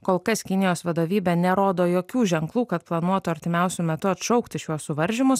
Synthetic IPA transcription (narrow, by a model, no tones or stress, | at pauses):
koːlˠkɐskʲɪnʲɪjoːsʋɐd̪oːʋʲiːbʲɛnʲɛɾoːd̪oːjoːkʲuːʒʲɛŋklˠuːkɐt̪plˠɐnuɔt̪ʊɐɾʲt̪ʲɪmʲɛˑʊsʲʊmʲɛt̪ʊɐt̪ʃɔʊkt̪ʲɪʃʲjuɔsʊʋɐɾʲʒʲɪmʊs